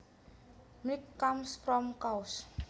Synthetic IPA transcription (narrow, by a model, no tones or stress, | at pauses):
mikːamspɾɔmkaus